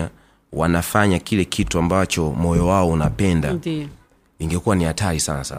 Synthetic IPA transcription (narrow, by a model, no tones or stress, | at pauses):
a | wanafaɲakilɛkʰituambat͡ʃɔmɔjɔwaɔunapɛnda̰ | iŋɡɛkuwanihatalisanasa̰